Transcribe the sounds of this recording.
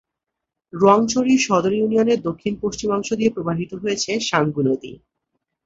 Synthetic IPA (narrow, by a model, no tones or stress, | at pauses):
ɾɔŋt͡ɕʰoɾiʃɔd̪oɾjunioneɾd̪okʰːinpoʃt͡ɕimɔŋʃod̪iepɾobaɦit̪oɦojet͡ɕʰeʃaŋɡunod̪ḭ